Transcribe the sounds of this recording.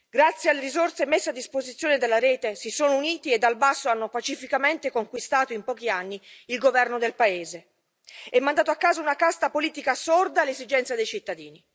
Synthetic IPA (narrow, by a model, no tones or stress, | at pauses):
ɡɾat̪sːjealːeɾizort̪semesːead̪ːispozit̪sːjoːned̪elːaɾeːt̪esisoːnouniːt̪ied̪ːalbasːoanːopat͡ʃifikament̪ekoŋkwist̪aːt̪oimpɔːkianːiilɡovɛrnod̪elpaeːze | ɛmːand̪aːt̪oakːaːzaunakast̪apoliːt̪ikasord̪alːezid͡ʒɛnt̪sad̪ejt͡ʃit̪ːad̪iːni